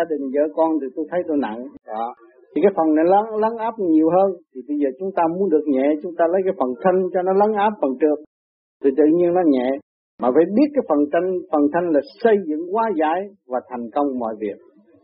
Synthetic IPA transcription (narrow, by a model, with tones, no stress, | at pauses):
aː˧ɗï˨˩ŋ̟zə̰ː˧˦kɔ˧nt̪i˨˩t̪u˧jt̪ʰə˨˦jt̪o˧jna̰˧˨nɔ˧˨˩ | t̪ʰi˨˩kaː˨˦jfə˨˩nna˨˩la˧˦lə˨˦˥nʔaː˦˥p̚ɲi˨˩əwɦəː˧nt̪ʰi˨˩ɓə˧jzəː˨˩t͡ɕʊ˨˦ŋ͡mt̪aː˧mu˨˦ənɗɨ˨˩ək̚ɲɛ̰˧˨t͡ɕʊ˨˦ŋ͡mt̪aː˧lə˨˦jkaː˨˦jfə˨˩nt̪ʰə˧ŋ̟t͡ɕɔ˧nɔ˨˦lə˨˦nʔaː˦˥p̚fə˨˩nt͡ɕɨ˨˩ək̚ | t̪ɨ̰˧˨˩t̪ɨ̰˧˨ɲi˧ənːɔ˨˦ɲɛ̰˧˨ | maː˨˩va̰ː˧˦jɓi˦˥ət̚kaː˨˦jfə˨˩nt͡ɕa˧ŋ̟fə˨˩nt̪ʰə˧jŋ̟laː˨˩sə˧jzɨ̰˧˥˨ŋkwaː˨˦zaː˧˩˦jvaː˨˩t̪ʰa˨˩jŋ̟kə˧wŋ͡mmɔ̰˧˨jvi˨˩ək̚